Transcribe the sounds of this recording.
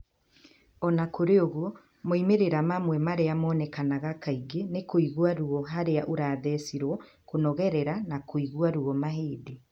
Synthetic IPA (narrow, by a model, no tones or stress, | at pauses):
ɔnakoɾeoɣuo | moimeɾeɾamamwɛmaɾeamɔːnɛkanaɣakaiɡenekoiɣwaɾuɔɦaɾeaʔoɾaːðɛsiɾwɔ | konɔɣɛɾɛɾanakoiɣwaɾuɔmaɦeːde